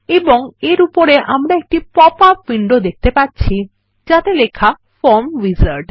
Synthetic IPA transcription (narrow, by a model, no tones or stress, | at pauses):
eboŋeɾupoɾeʔa̰mɾaek̚ʈipɔpapːiɳɖod̪ek̚ʰt̪epatt͡ɕʰi | d͡ʒat̪elekʰa | foɾmʋizaɾɖ